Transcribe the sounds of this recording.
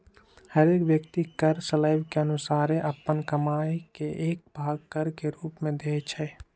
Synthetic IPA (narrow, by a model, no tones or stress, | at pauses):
həɾeːkʋjək̚t̪ikəɾsəlaːɪbkeənʊsaːɾẽʔɐpːənkəmaːjekeʔeːk̚bʱaːɡ̚kəɾkeɾuːpmẽd̪eːt͡ʃʰɛː